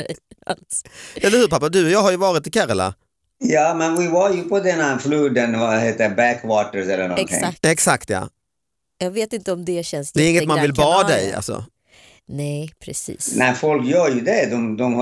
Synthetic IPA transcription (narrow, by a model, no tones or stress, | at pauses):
alsɛlːəɾhʉ̟ːɾpʰapːad̪ɵɔjɑːɦaɾjɵvɑːɾɪt̪ɪkʰaɾala̰ | jɑːmɛnvɪvaɾjɵpʰɔd̪ɛnafluːd̪ənvaɦeːt̪əbækwɑːt̪əɾsɛlːənɔ̰ɪ̰ɛksakt̪jɑ̰ː | jɑːɡveːt̪ɪnt̪əɔmd̪ɛɕɛnsd̪ɛɛɾɪŋːət̪manvɪlbɑːd̪ɛja̰lsɔ̰ | nɛpʰɾɛsḭːsnæfɔlkjœːɾjʉd̪ɛd̪ɔmd̪ɔm